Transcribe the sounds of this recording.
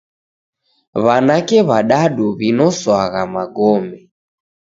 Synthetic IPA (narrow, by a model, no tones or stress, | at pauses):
βanakɛβaɗaɗuβinɔswaɣamaɡɔmɛ